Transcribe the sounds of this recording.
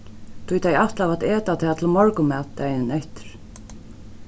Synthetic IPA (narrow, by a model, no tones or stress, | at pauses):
t̪ʰujt̪ʰajaht̪lavat̪ɛːt̪at̪ʰɛːðat̪ʰɪlmɔɹkʊmɛt̪t̪ːajnɪnɛht̪ɪ̥ɾ̥